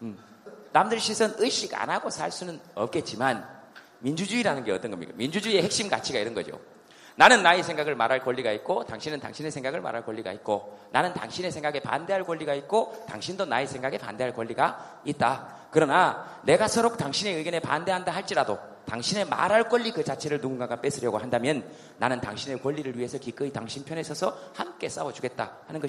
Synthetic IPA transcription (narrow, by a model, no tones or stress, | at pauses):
namdɯɭɕʰisʰɯnɯɕ͈iɡa̰naɡosʰa̰ɭs͈unɯnʌp̚k͈e̞t̚t͡ɕ͈iman | mind͡ʑud͡ʑuiɾanɯnɡe̞ʌt͈ʌnɡʌmɲḭk͈a̰mind͡ʑud͡ʑuie̞he̞k̚ɕ͈imɡa̰t͡ɕʰiɡaiɾɯnɡʌ̰d͡ʑo̰ | nanɯnːaesʰe̞ŋɡaɡɯɭmaɾɦaɭkoʎːiɡait̚k͈ota̰ŋɕʰinɯnta̰ŋɕʰine̞sʰe̞ŋɡaɡɯɭma̰ɾɦaɭkoʎːiɡa̰it̚k͈onanɯnta̰ŋɕʰinesʰe̞ŋɡaɡe̞pa̰nde̞ɦaɭk͈oʎːiɡait̚k͈ota̰ŋɕʰindonaesʰeŋɡaɡe̞pa̰nde̞ɦaɭkwʌʎːiɡa | it̚t͈a | kɯɾʌna | ne̞ɡasʰʌɾok̚taŋɕʰine̞ɯɡjʌne̞pa̰nde̞ɦandaɦaɭt͡ɕ͈iɾado | taŋɕʰine̞ma̰ɾɦaɭk͈ʌʎːikɯt͡ɕat͡ɕʰe̞ɾɯɭnuɡuŋɡaɡap͈e̞sʰɯɾjʌɡohandamjʌnː | anɯnta̰ŋɕʰine̞kwʌʎːiɾɯɭɥiɦe̞sʰʌkik͈ɯitaŋɕʰinpʰjʌne̞sʰʌsʰʌhamk͈e̞s͈awʌd͡ʑuɡe̞t̚t͈a̰hanɯnɡʌ